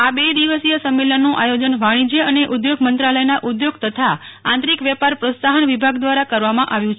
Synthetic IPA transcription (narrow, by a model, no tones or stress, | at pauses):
abed̪iʋəsijəsəmːelənːũʔajod͡ʒənʋaɽ̃id͡ʒəəneʔud̪joɡmənt̪ɾaləjnaʔud̪joɡt̪ət̪ʰaãnt̪ɾikʋjɛpaɾpɾəsaɦənʋibʱaɡd̪ʋaɾakəɾʋamãʔaʋjũt͡ʃʰ